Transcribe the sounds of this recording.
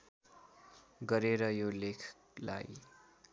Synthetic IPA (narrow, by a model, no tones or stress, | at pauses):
ɡʌɾeɾʌjolekʰ | la̰j